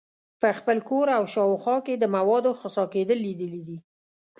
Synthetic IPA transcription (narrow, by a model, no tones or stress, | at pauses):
pəxpəlkoɾawʃɑwxɑked̪əmawɑd̪oxəsɑked̪əlːid̪əlid̪i